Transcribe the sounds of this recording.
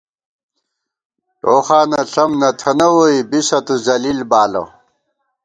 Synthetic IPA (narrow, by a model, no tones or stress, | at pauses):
ʈoːxaːnɐɬɐmnɐt̪ʰɐnɐwoibiɕɐt̪uzɐlilbaːlɐ̰